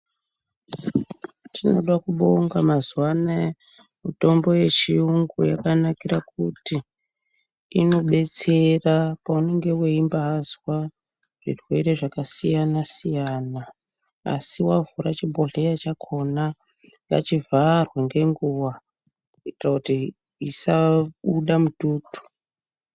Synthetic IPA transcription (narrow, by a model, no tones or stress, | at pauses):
tino̞̰ɗakuɓo̞ŋɡamazwana | muto̞mbo̞je̞t͡ʃiuŋɡujakanakiɾakuti | ino̞ɓe̞t͡se̞rapaune̞ŋɡe̞weimbaɦazwa | ʐ̥ḭrwe̞ɾe̞ʐakasijanasijaːna | a̰siwavuɾat͡ʃibʱo̞ɮejat͡ʃakʰo̞na | ŋɡa̰t͡ʃivarwaŋɡe̞ŋɡuwa | itrakuti | isaɓuɗamutuːtu̥